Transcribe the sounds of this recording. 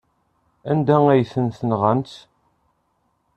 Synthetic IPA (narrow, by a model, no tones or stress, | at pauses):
ænd̪æŋæjθənθənʁənt̪